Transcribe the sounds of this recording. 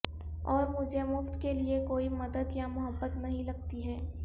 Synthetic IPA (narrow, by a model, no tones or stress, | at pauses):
ɔːɾmʊd͡ʒʱemʊft̪keliekoːimɐd̪əd̪jamʊɦəbːət̪nɐɦĩlɐɡ̚t̪iɦɛː